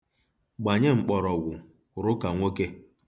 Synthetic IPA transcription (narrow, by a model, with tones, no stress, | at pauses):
ɡ͡ba˨ɲe˦ŋ͡m̩˨k͡pɔ˨ɾɔ˨ɡʷʊ˨ | ɾʊ˦ka˨ŋʷo˦ke˦